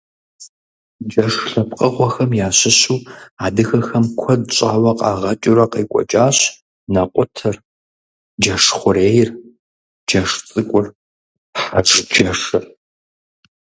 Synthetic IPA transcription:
d͡ʒɐʂɬɐp̚qʼɐʁʷɔxɐmjaːɕɪɕuːaːdɨxɐxɐmkʷʰɔdt͡ʃʼaːwɐqʼɑːʁɐt͡ʃʼʊɾɐqeːkʷʼɔ̰t͡ʃʼaːɕ | nɐqʷʼʊtʰɐr | d͡ʒɐʂχʷʊɾeːjɪr | d͡ʒɐʂt͡sʼɨkʷʼʊr | ħaʂd͡ʒɐʂɨr

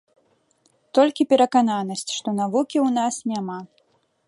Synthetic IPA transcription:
t̪ɔlʲkʲipʲɛɾɐkananɐsʲt͡sʲʂt̪ɔnavukʲiwnasnʲama

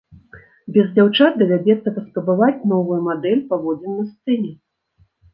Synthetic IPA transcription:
bʲɛzd͡zʲawt͡ʂat̪̚ɡɐvʲad͡zʲɛt̪sɐrɐspɾɐbɨvat͡sʲnɔvɨjumad̪ɛlʲpavɔd͡zʲɛnːɨst̪sɛnʲɛ

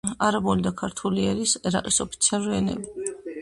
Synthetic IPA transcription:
aɾabɔlid̪akʰaɾt̪ʰuliɛɾisɛɾa̰qʼisɔpʰi̥t̪sʰialˠuɾiɛnɛ̰bi

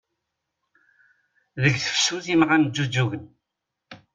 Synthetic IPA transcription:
ðəɡθə̥fsuθimʁand͡ʒud͡ʒuɣən

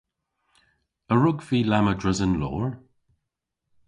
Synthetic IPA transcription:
əɹʊɡviːlamədɹɪzənlɔ̰ːɹ

